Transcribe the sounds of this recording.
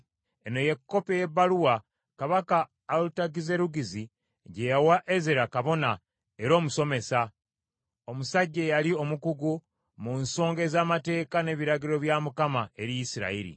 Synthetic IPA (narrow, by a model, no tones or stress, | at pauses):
e̞no̞je̞kːo̞pejeβːaluwa | kaβakaː | lutaɡize̞ɾuɡizi | ɟejawaʔezeɾakaβo̞na | e̞ɾo̞ːmuso̞me̞sa | o̞musaɟːe̞jalio̞mukuɡu | munso̞ːŋɡe̞zaːmate̞ːkane̞ːβiɾaɡiɾo̞βjamukamae̞ɾijisiɾa̰iɾḭ